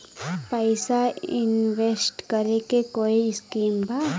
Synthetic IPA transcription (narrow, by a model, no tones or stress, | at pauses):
pəjsainwesʈkɐɾekekoiskiːmba